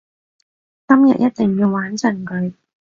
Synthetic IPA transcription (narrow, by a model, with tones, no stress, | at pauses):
kɐ˥mjɐ̰˨t̚jʔɐ˦˥t̚t̪ɪ˨ŋjiː˧wːaː˨˥nt͡sʰɐ˨˩nkɵ˨˥ɥ